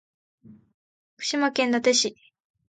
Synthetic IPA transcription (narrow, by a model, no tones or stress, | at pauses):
kɯ̟̥ɕimakẽnd̪at̪e̞ɕi